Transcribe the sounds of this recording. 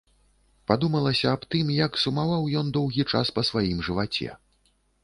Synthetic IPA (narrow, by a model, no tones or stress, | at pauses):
pad̪umɐlˠɐsʲɐːpt̪ɨmjɐksumavawjɔnd̪ɔwɣʲit͡ʂa̰spɐsvajimʐɨvat͡sʲɛ̰